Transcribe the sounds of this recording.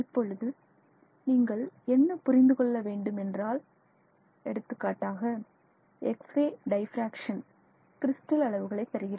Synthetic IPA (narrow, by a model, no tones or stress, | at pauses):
ɪpːɔɻɯðɯ | niːŋɡɐɭɛnːɐpʊɾɪnd̪ɯkɔɭːɐʋeːɳɖɯmɛndraːl | ɛɽɯt̪ːɯkːaːʈːaːɣɐ | ɛkseːɖɐɪfɾaːkʂɐn | kɪɾɪsʈɐlɐɭɐʋɯɣɐɭɐɪt̪ːɐɾɯɣɪrɐː